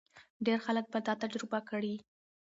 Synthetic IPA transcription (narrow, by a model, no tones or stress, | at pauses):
ɖeɾxalək̚bət̪ɑt̪ad͡ʒɾɪbakəɽi